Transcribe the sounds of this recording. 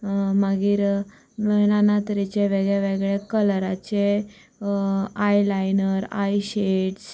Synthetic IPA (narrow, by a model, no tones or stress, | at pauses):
məɡiːɾ | ʋenanat̪əɾit͡ɕeʋeɡɭjeʋeɡɭekəlɾat͡ɕe | ajlajnəɾa̰jɕeʈs